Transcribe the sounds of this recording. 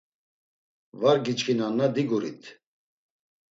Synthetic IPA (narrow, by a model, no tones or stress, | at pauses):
vaɾɡit͡ʃkʰinanːad̪iɡuɾḭt̪ʰ